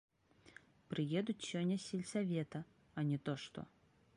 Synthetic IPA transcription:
pɾɨjɛd̪ut͡sʲsʲɔnʲːɐsʲelʲsavʲɛt̪ɐ | ɐnʲɛt̪ɔʂt̪ɔ̰

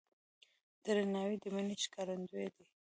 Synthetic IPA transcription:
d̪̥əɾɪnɑwid̪əmənit͡ʃkɑɾand̪ued̪i

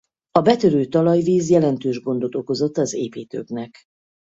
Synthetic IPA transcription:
ɒbɛt̪øɾøːt̪ɒlɒjviːzjɛlɛnt̪øːʒɡo̞nd̪o̞t̪o̞ko̞zo̞t̪ːɒzḛːpeːt̪ø̰ɡnɛk

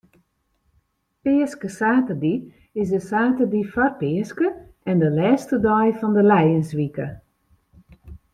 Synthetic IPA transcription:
pɪəskəsaːtədi | ɪsdəsaːtədifɔrpɪəskəɛndəlɛːstədɔjfɔndəlɛjənsʋikə

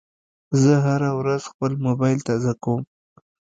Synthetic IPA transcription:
zəɦaɾawɾaz̥xpəlmobajlt̪azakawm

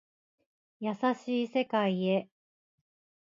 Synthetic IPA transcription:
jasaɕiːse̞kaie̞

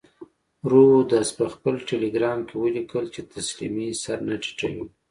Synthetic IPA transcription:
ɾuwud̪aspəxpəlʈeleɡɾɑmkewəlikəlt͡ʃet̪ʰaslḭmisaɾnaʈi̥ʈ͡ʂa̰wi

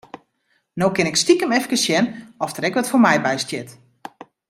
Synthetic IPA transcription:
nowkɪnɪkstikəmɛfkəsjɛnɔftərɛkʋɔtformɛjbɛjstjɪt

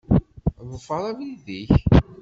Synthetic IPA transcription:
ðˤəfːɑɾˤæviðiç

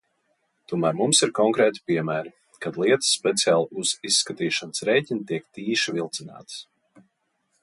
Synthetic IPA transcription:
t̪uɔmæːɾmumsiɾkɔŋkɾɛːt̪i̥piɛmæːɾi | kad̪lˠiɛt̪ə̥sːpʲɛt̪siaːlˠuz̥isːkat̪iːʃanəsɾɛjcʲint̪iɛkt̪iːʃivilˠt̪sina̰ːt̪ə̥s

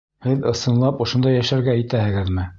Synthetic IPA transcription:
hɘðɤ̆sɤ̆nlˠɑpŏʃŏnd̪ɑjæʃæɾɡæit̪æhɘ̆ɡɘðmɘ

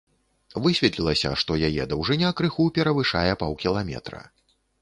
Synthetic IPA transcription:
vɨsʲvʲɛt̪lʲilˠɐsʲɐ̰ʂt̪ɔjajɛd̪ɐwʐɨnʲakɾɨxupʲɛɾɐvɨʂajɛpawkʲilˠamʲɛ̰t̪ɾɐ̰

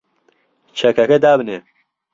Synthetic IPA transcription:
t͡ʃʰɐkʰɐkɐd̪aːbɨne

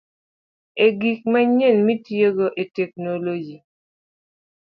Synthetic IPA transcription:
eɡik̚maɲenmitjeɡoʔetɛk̚nolod͡ʒi

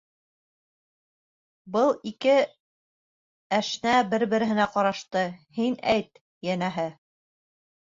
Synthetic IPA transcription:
bɤlˠikɘ | æʃnæbɘɾbɘ̆ɾɘ̆ɦɘ̆næqɑɾɑʃt̪ɤhinæjt̪̚ | jænæɦɘ

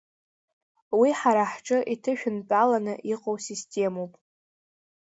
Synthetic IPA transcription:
wiħaɾaħʈ͡ʂʼɨʔitʰɨʃᶣʊnpʼalanɨʔiqʼowsistʰʲʼe̞mowpʼ

